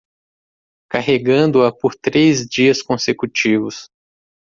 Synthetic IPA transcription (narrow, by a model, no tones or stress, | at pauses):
kaɦeɡɐ̃nd̪ʊɐpoɾt̪ɾezd͡ʒiɐskõsekut͡ʃivʊs